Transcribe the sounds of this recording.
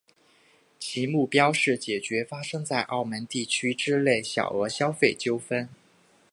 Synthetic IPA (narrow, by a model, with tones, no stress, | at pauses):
t͡ɕʰi˧˥mu˥˩pjɑ˥ʊʂɻ̩˥˩t͡ɕjɛ˨˩t͡ɕɥɛ˧˥fa˥ʂɤ˥ŋt͡sa˥˧ɪʔɑ˥˩ʊmə˧˥nt̪i˥˩t͡ɕʰy˥ʈ͡ʂɻ̩˥le˥˩ɪɕjɑ̰˨˩ʊə˞˧˥ɕjɑ˥ʊfe˥˩ɪt͡ɕjo˥ʊfə˥n